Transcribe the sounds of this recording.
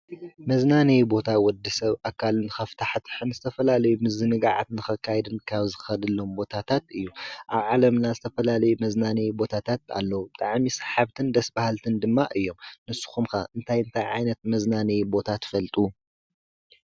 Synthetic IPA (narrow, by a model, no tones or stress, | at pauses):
mɐznanejbo̞t̪ʰawɔd̪ɨsɐβʔakʰːalɨnɨxɐft̪ʰaħt̪ʰħɨnzɨt̪ʰɐfɐlalɐjumɨzɨnɨɡaʕa̰t̪nɨxɐkʰːajɛd̪ɨnkʰaβzɨxɐd̪ɨlːo̞mbo̞t̪ʰat̪ʰat̪ɨjːuʔaβʕalɐmnazɨt̪ʰɐfɐlalɐjumɐznanɐjbo̞t̪ʰat̪ʰat̪a̰lːɐwubɨt̪ʼaʕmisḁħaβt̪ʰɨnd̪ɐsbahalt̪ʰɨnd̪ɨmːaʔɨjːo̞mnɨsːu̥xumkaʔɨnt̪ʰajɨnt̪ʰajʕajnɐt̪̚mɐznanejbo̞t̪ʰat̪ʰfɐlt̪ʼu